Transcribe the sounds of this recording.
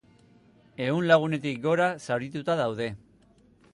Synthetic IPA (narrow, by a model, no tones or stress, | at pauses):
e̞unlaɣ̞une̞t̪ikɡo̞ɾasawɾit̪ut̪aðawðe̞